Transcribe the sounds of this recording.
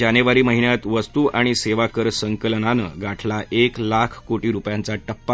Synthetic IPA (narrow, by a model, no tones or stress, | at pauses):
aneʋaɾiːməɦiɳjat̪ʋəst̪uʔaɽ̃iseʋakəɾsəŋkəlnanə̰ɡaʈʰlaʔeklakʰkoʈiːɾupjãnt͡saʈəpːa